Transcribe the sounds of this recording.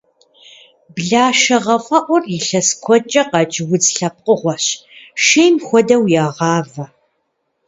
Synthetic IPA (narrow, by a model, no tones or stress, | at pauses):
bɮaːʃɐʁɐfʼɐʔʷʊrjɪɬɐskʷʰɔt͡ʃʼɐqɑt͡ʃʼɪwʊd͡zɬɐp̚qʼəʁʷɔɕʃeːmxʷɔdɐwjaːʁɑːvɐ